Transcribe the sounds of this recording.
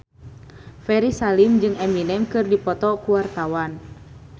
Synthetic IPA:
fɛɾisalimd͡ʒɨŋɛminɛmkɨrdipɔt̪ɔkuwart̪awan

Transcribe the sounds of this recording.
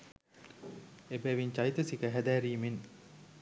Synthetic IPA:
ebæːʋiɲt͡ʃɐjit̪əsikəɦæd̪æːɾiːmen

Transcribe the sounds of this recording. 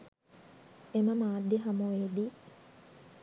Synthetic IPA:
eməmaːd̪ːjiɦamuʋeːd̪i

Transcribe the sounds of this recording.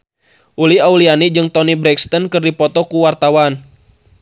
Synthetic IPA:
ʔuliaulianid͡ʒɨŋt̪ɔnibɾɛkst̪ɔnkɨrdipɔt̪ɔkuwart̪awan

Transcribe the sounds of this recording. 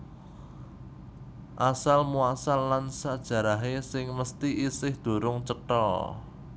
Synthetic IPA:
ʔasalmuasalːansad̥ʒ̥ä̤ɾaɦesɪŋməst̪iʔisɪhd̪̥o̤ɾʊŋt͡ʃət̪ɔ̰

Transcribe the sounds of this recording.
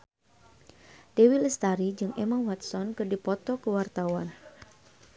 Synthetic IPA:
d̥ewiləst̪aɾid͡ʒɨŋʔɛmawat̪̚sɔnkɨrdipɔt̪ɔkəwart̪awan

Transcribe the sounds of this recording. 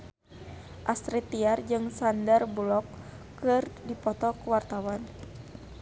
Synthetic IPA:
ʔast̪ɾit̪iard͡ʒɨŋsandarbulɔkː | ɨrdipɔt̪ɔkuwart̪awan

